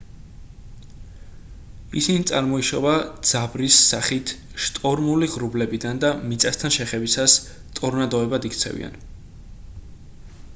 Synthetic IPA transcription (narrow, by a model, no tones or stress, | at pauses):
isinit̪sʼaɾmɔiʃɔvad̪z̥abɾisːaχit̪ʰʃt̪ʼɔɾmuliʁɾublɛbid̪and̪amit̪sʼast̪ʰanʃɛχɛbisas | t̪ʼuɾnad̪ɔɛbad̪ikʰt̪sʰɛ̰vḭa̰n